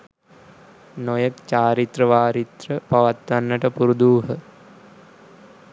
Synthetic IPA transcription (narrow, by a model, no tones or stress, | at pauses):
nojəkt͡ʃaːɾit̪rəʋaːɾit̪rəpaʋat̪ʋanːəʈəpuɾud̪uːɦə